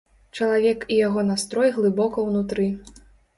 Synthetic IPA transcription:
t͡ʂɐlˠavʲɛkijaɣɔnast̪ɾɔjɣlˠɨbɔkɐwnut̪ɾɨ

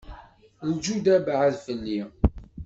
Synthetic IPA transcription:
ld͡ʒud̪æbʕəðfəlːi

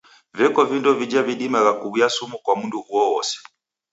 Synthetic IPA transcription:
vɛkɔvindɔvid͡ʒaviɗimaɣakuβujasumukwamunduuɔwɔsɛ̥

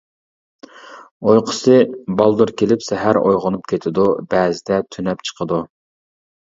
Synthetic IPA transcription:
ojqʰə̥sɨbɑlˠd̪uɾkʲelɪpsɛɦæɾo̰jʁʊnupkʲʰet̪ʰɪd̪ubɛːzɪd̪ɛt̪ʰynɛpt͡ʃʰə̥qʰəd̪u

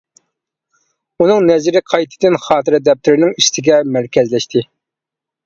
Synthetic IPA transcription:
unɨŋnɛzɪɾɪqʰɑjt̪ʰɪd̪ɪnχɑːt̪ɨɾɛd̪ɛp̚t̪ʰyɾɪnɪŋiʃt̪ʰɪɡʲɛmæɾkʲʰɛzlɛʃt̪ʰɪ

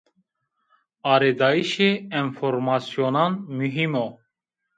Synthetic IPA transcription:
ɑːɾed̪ɑːiʃeinfoɾmɑːsijoːnɑːnmyɦimo

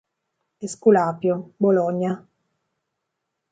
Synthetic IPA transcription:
eskulaːpjobolɔɲːa

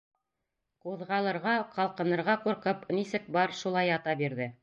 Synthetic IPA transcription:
quðʁɑlˠɤ̆ɾʁɑqɑlˠqɤ̆nɤ̆ɾʁɑquɾqɤpnisɘk̚bɑɾʃulˠɑjɑt̪ɑbiɾðɘ

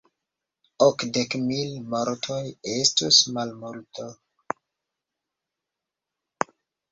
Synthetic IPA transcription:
okdekmilmoɾtʰojestusmalmulto

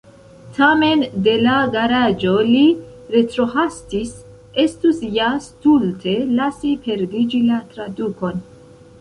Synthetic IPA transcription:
tʰame̞nde̞laɡaɾad͡ʒo̞li | ɾe̞tɾo̞ɦastis | e̞stusjastultʰe̞lasipe̞ɾdid͡ʒilatɾaduko̞n

